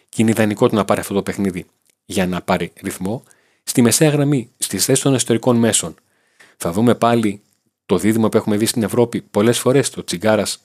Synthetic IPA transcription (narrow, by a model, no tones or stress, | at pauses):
cineiðɐniko̞t̪nɐpɐɾiɐft̪o̞t̪ope̞xniði | ʝɐnɐpɐɾiɾiθmo̞ | st̪ime̞se̞ɐɣɾɐmist̪isθe̞sist̪o̞neot̪e̞ɾiko̞nme̞so̞n | θɐðume̞pɐli | t̪o̞ðiðimɐpue̞xume̞ðist̪ine̞vɾo̞pipo̞le̞sfo̞ɾe̞st̪o̞t͡siɡɐɾɐs